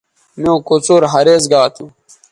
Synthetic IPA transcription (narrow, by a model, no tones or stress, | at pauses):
mjõːkot͡soːɾɦɐɾeːzɡaːt̪ʰu